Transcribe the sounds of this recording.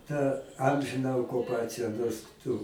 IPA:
tɐ ˈɐmʲʒʲɪnɐ oːkʊˈpɑːt͡sʲɪjɛ noːrs ˈtʊ

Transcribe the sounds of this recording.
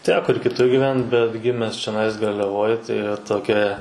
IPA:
ˈtʲæːkoː ɪr kʲɪˈtʊr ɡʲiːˈʋʲɛnt bʲɛt ˈɡʲɪmʲɛs t͡ʃʲɛˈnɐɪs ɡɐrʲlʲɛˈʋoːj tɐɪ ʋɐ toːˈkʲɛ

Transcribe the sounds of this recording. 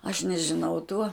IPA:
ɐʃ nʲɛʒʲɪˈnɐʊ tuɔ

